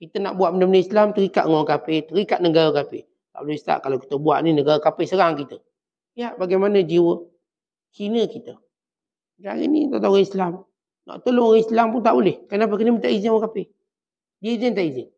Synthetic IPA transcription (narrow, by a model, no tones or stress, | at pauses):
kit̪əna̰ʔbuaʔmənəmnəislamt̪əɾika̰ʔŋɔŋkapet̪əɾikaʔnəŋɡaɾəkapḛ | t̪a̰ʔbolɪst̪a̰ʔkalawki̥t̪əbua̰ʔninəɡaɾəkapɪhsəɾaŋkit̪ə | lijaʔbaɡajmanəd͡ʒiwə | t͡ʃinəkit̪ə | d͡ʒa̰ɡḭnḭt̪aʔt̪aɣəislam | na̰ʔt̪əloŋislampʊnt̪aʔbolɪhkənap̬əkənəmət̪aʔizɪŋwəkapɪ | diəizɪnt̪aʔizɪŋ